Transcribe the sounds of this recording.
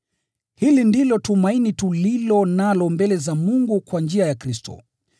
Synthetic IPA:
hilindilɔtumainitulilɔnalɔmbɛlɛzamuŋɡukwand͡ʒiajakɾistɔ̰

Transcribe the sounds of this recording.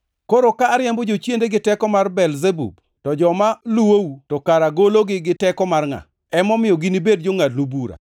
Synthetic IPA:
koɾokaːɾjambɔd͡ʒot͡ʃjendeɡɪtɛkɔmarbɛlzebṵb | tɔd͡ʒɔmaluwoutɔkaɾaɡoloɡɪɡɪtɛkɔmarŋa̰ | ɛmɔmɪjɔɡinibed̚d͡ʒoŋadnubuɾa̰

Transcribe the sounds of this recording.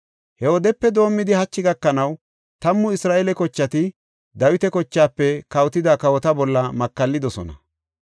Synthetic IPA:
hɛwɔd̪ɛpːɛd̪o̞ːmːɪd̪ɪhɐt͡ʃːɪɡɐkːɐnɐw | t̪ɐmːʊɪsɾaːʔelɛkɔt͡ʃːɐt̪ɪ | d̪ɐwɪt̪ɛkɔt͡ʃːaːpːɛkɐwt̪ɪd̪aːkɐwɔt̪ɐbɔlːɐmɐkːɐlːɪd̪ɔsɔ̰nɐ

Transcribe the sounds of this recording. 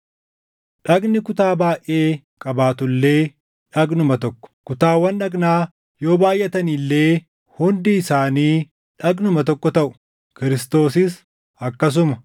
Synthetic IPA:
ᶑɐɡnɪkʊt̪aːbaːjʔe̞ː | kʼɐbaːt̪ʊlːe̞ː | ᶑɐɡnʊmɐt̪ɔkːɔ̥kʊt̪aːwːɐnᶑɐɡnaː | jo̞ːbaːjʔːɛt̪ɐnilːeː | hʊnd̪iɪsaːniː | ᶑɐɡnʊmɐt̪̬ɔkːɔt̪ɐʔʊ̥ | kɪɾɪst̪o̞ːsɪs | ɐkːɐs̬ʊmɐ

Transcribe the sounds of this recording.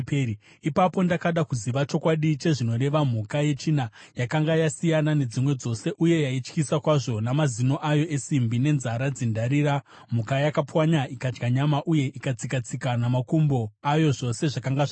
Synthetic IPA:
ipapo̞ndakaɗakuziʋat͡ʃo̞kwaɗit͡ʃe̞ʐino̞ɾe̞ʋam̤ukaje̞t͡ʃinajakaŋɡajasijanane̞d͡zimwe̞d͡zo̞se̞ʔuje̞jait͡ʃkisakwaʐo̞namazino̞ʔajo̞ʔe̞simbine̞nzaɾad͡zendaɾiːɾa | m̤ukajakapwaɲaʔikad͡ʒɡaɲamaʔuje̞ʔikat͡sikat͡sikanamakumbo̞ajo̞ʐo̞se̞ʐakaŋɡaʐ

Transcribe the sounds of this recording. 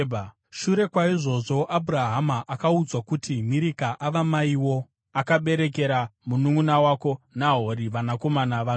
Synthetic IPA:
bʱa | ʃuɾe̞kwaiʐo̞ʐo̞ʔabʱuɾaɦamaʔakaud͡zwakutimiɾikaʔaʋamaiwo̞ | akaɓe̞ɾe̞k̬e̞ɾamunuŋunawako̞naɦo̞ɾiʋanako̞manaʋa

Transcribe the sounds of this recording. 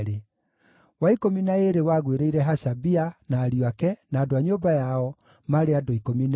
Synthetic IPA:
ɾe | waikominaeɾewaɣweɾeiɾɛɦaɕabianaːɾjwakɛnaːdoaɲoːbajaɔ | maɾeadoikomin

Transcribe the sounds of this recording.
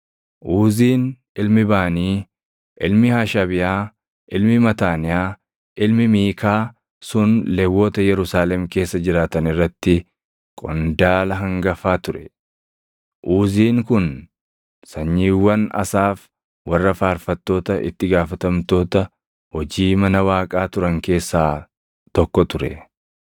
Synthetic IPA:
ʔuːziːn | ɪlmɪbaːniː | ʔɪlmɪhaːʃɐbɪjaː | ʔɪlmɪmɐt̪aːnɪjaː | ʔɪlmɪmiːkʰaː | sʊnlɛwːo̞ːt̪ɐjɛɾʊsaːlɛmke̞ːsːɐd͡ʒɪɾaːt̪ɐnɪrːɐt̪ːɪ | kʼɔnd̪aːlɐɦɐŋɡɐfaːt̪ʊɾɛ̥ | ʔuːziːŋkʊn | sɐɲːiːwːɐnɐ̰saːf | wɐrːɐfaːɾfɐt̪ːo̞ːt̪ɐʔɪ̰t̪ːɪɡaːfɐt̪ɐmt̪o̞ːt̪ɐ | hɔd͡ʒiːmɐnɐwaːkʼaːt̪ʊɾɐŋke̞ːsːaː | t̪ɔkːɔt̪ʊɾɛ̰

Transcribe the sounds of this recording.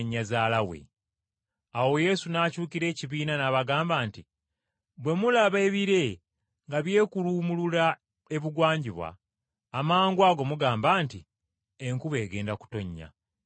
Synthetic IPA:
ɲːazaːlawe̞̰ | awo̞je̞sunaːcuːkiɾe̞ːciβiːnanaβaɡaːmbaːnti | bwe̞mulaβe̞ːβiɾe̞ | ŋɡaβje̞ːkuluːmulula | e̞βuɡwaːɲɟiβwa̰ː | maːŋɡwaːɡo̞muɡaːmbaːnti | eŋkuβe̞ːɡe̞ːndaku̥to̞ɲːa̰

